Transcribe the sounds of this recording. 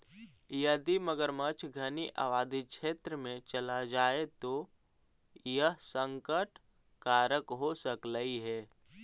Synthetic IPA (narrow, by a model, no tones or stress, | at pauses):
jɐd̪iməɡəɾmət͡ʃʰɡʱəniʔa̰ʋaːd̪iʃʰeːt̪ɾəmẽt͡ʃɐlad͡ʒaːet̪o | jəɦsə̃ŋkəʈ | kaːɾəkɦosəkləiɦɛː